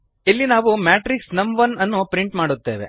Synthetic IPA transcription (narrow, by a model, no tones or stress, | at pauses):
ilːinaːʋumaːʈɾiksnɐmʋɐnɐnːupɾiɳʈmaːɽut̪ːe̞ːʋḛ